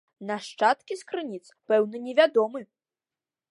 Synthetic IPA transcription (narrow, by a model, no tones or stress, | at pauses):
naʂt͡ʂat̪kʲiskɾɨnʲit̪spɛwnɐnʲɛvʲad̪ɔmɨ